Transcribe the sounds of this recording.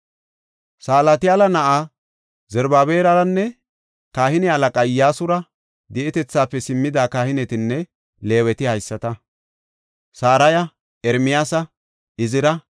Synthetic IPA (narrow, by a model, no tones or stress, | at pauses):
saːlat̪ɪjaːlɐnɐʔa | zɛɾbaːbe̞ːɾɐɾɐnːɛ | kaːhɪnɛɐlɐkʼɐjaːsʊɾɐ | d̪ɛʔɛt̪ɛt͡sːaːpːɛsɪmːɪd̪aːkaːhɪnɛt̪ɪnːɛ | le̞ːwɛt̪ɪhɐjsːɐt̪ɐ | saːɾɐjɐ | ɛɾmɪjaːsɐ | ɪzɪɾɐ